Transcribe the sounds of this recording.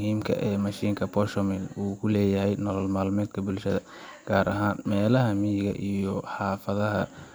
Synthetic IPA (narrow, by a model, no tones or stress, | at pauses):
hiːmkʰɐ̰ʔɛːmɐʃiːŋkʰɐpʰɔʃɔmɛluːkʰʊlɛːjɐɦɛjnɔlɔlmaːlmɛːd̪kʰɐbʊlʃɐðɐ | ɡ̥aːɾɐɦaːnmɛːlɐɦɐmijɪɣɐ̰ʔijɔħɑːfɐðɐɦɐ